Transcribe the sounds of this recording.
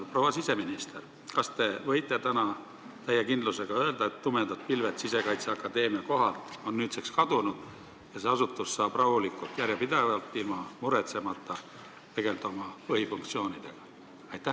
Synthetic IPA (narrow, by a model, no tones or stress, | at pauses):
pro̞wɑsise̞minist̪e̞r | kɑst̪e̞vɤ̞jt̪ˑːe̞t̪ænɑ | t̪æjːekind̪luse̞ɡ̥ɑø̞ld̪ɑet̪ːume̞nd̪ɑd̪̚pilve̞t̪sise̞kɑjt̪seɑkːˑɑd̪e̞ːmiɑko̞ɦɑlt̪o̞nːyːt̪sekskɑd̪̥unud̪̥ | jɑse̞ɑsut̪ːˑussɑːb̥rɑhulikːˑult̪jæɾjɑpid̪ɑvɑlt̪ːˑilmɑmuɾet̪se̞mɑt̪ːˑɑ | t̪e̞ɡ̥e̞ld̪o̞mɑvɤjfuŋkt̪sio̞ːnid̪̥e̞ɡ̥ɑ̥ | ɑjt̪ːˑæh